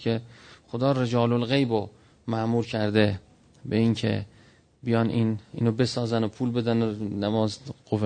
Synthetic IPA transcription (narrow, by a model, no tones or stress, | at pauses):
kʰexod̪ɒːred͡ʒɒːlolɣejbo | mæʔmuːɾkʰæɾd̪e | beiːncʰḛ | bijɒːninḭːnobe̞sɒːzænopʰuːlbe̞d̪ænonæmɒːzɡ̥ofe